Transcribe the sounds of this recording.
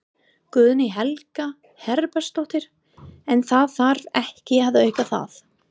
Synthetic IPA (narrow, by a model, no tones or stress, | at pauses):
kʏːðnɪɦɛlka | hɛɾpɛ̥st̪ɔht̪ɪɾ̥ | ɛnθaðfaɾɛhcɪavðœːɥkaθa̰θ